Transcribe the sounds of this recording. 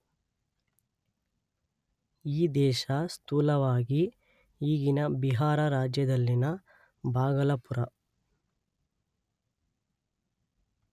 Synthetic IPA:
iːd̪ɛːʃɐst̪uːlɐʋaːɡi | iːɡinɐbiɦaːɾɐɾaːd͡ʒjɐd̪ɐlːinɐ | bʱaːɡɐlɐpuɾɐ

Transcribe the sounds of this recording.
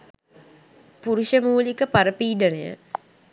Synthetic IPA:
puɾuʃəmuːlikəpaɾəpiːɖənejə̰

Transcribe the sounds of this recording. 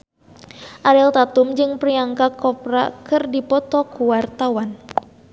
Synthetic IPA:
ʔaɾɛlt̪at̪umd͡ʒɨŋpriaŋkakɔpɾa̰kɨrdipɔt̪ɔkuwart̪awan

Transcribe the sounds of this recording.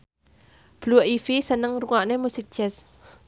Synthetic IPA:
b̥luʔifisənəŋɾuŋaʔnɛmusik̚t͡ʃɛs

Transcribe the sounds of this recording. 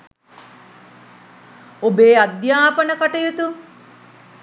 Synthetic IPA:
obeːad̪jaːpənəkaʈəjut̪u

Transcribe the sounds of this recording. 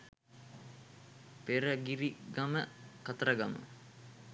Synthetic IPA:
peɾəɡiɾiɡaməkat̪əɾəɡamə̰

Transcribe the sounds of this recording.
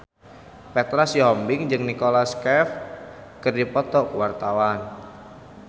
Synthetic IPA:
pɛt̪ɾasiɦɔmbɪŋd͡ʒɨŋnikolaskɛfkɨrdipɔt̪ɔkwart̪awan

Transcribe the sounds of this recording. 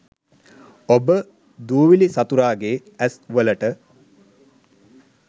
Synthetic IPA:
obə | d̪uːʋilisat̪uɾaːɡeː | æsʋələʈə

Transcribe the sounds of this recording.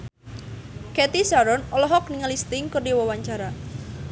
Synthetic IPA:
kɛt̪isaɾɔnɔlɔɦɔk̚niŋalist̪ɪŋkərdiwɔwaɲt͡ʃaɾa

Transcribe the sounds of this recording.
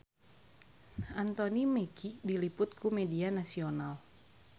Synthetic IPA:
ʔant̪onimɛkik̚dilipʊt̪̚kʰumɛdianasional

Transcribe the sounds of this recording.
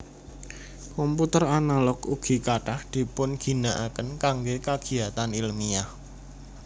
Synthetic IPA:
kɔmput̪əranalɔkuɡ̥i̤kaʈahd̪̥i̤pʊnɡ̥i̤naʔakənkaŋɡekaɡ̥i̤at̪anilmiah

